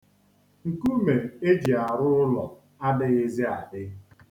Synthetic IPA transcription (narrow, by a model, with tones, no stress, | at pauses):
ŋ̩˨ku˦me˨e˦d͡ʒi˨a˨ɾʊ˦ʊ˦lɔ˨ | a˦dɪ˦ɣɪ˦ze˦a˨dɪ˦